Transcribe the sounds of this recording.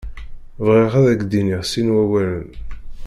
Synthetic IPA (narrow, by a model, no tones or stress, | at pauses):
vʁeʁæðæɡd̪iniʁsinwæwælən